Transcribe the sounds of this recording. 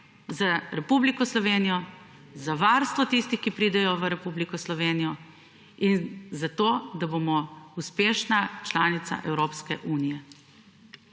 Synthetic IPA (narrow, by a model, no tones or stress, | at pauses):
zaɾɛpublikɔslɔʋeːnijɔ | zaʋaːɾst̪ʋɔt̪ist̪ixkipɾiːd̪ɛjɔʋəɾɛpublikɔslɔʋeːnijɔ | inzat̪oːd̪abomɔuspeːʃnat͡ʃlaːnit̪sa̰ʔɛwɾoːpskɛʔuːnijɛ